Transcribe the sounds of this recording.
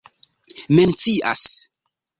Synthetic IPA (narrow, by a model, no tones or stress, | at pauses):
ment͡siʔa̰s